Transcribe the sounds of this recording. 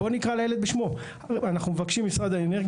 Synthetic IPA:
o̞nikʁalajele̞d̪beʃmo̞ | anaχnumevakʃimːisʁad̪aeneʁɡ

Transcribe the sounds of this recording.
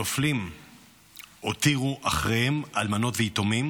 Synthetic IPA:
oflim | otiʁuʔaχʁejhemalmano̞tveito̞mim

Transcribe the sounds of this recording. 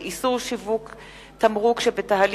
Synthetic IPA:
isuʁʃivuk | t̪amʁukʃebetaɦal

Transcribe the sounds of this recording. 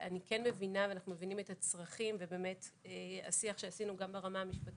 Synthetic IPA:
ʔanikenme̞vinaveanaχnume̞vinimetat͡sʁaχimvebe̞me̞tea̰siaχʃeasinuɡambeʁamaːmiʃpat

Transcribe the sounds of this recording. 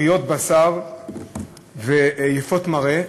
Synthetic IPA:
ijo̞t̪̚basaʁ | vejefo̞t̪maʁe

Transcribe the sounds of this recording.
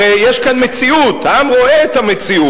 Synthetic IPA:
ejeʃkanmet͡siut̪haamʁo̞eet̪amet͡siu

